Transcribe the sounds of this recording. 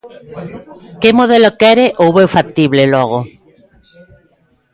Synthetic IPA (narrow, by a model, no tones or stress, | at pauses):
kemoð̞elokɛɾeʔowβewfat̪iβleloɣ̞o